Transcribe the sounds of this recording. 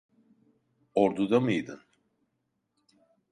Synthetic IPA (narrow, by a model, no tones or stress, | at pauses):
oɾd̪ud̪amɯjd̪ɯ̰n